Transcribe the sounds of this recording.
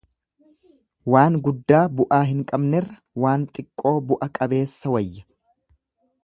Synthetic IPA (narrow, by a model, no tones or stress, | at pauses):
waːŋɡʊd̪ːaːbʊʔaːɦɪŋkʼɐbnɛrːɐ | waːnt̪ʼɪkʼːo̞ːbʊʔɐkʼɐbe̞ːsːɐwɐjːɐ